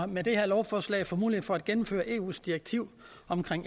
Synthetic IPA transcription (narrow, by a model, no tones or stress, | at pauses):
med̥e̝heɐ̰lɒʊfɒːslɛ̰ɪfɒ̽mṵːlid̥fɒ̽æd̥̚ɡ̥enm̩fø̰ːɐʔe̝ːṵːsd̥ieɡ̥̚t͡sʰiʊ̰ | ɒ̽mkʰʁeŋ̰